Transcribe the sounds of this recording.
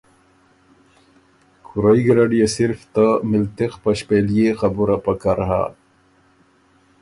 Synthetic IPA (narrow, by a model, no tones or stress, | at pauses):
xʊɾaiɡɾaɖijesiɾft̪amɪlt̪expaɕpelijexabuɾapakaɾɦa̰